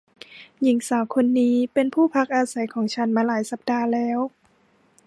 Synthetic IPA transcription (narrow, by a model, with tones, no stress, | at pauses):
ji˨˩˦ŋsaː˨˦wkʰo˧nːiː˦˥pe˧npʰuː˥˩pʰa˦˥k̚ʔaː˧sa˨˦jkʰɔː˨˦ŋt͡ɕʰa˦˥nmaː˧laː˩˦jsa˧˦p̚daː˧lɛː˦˥w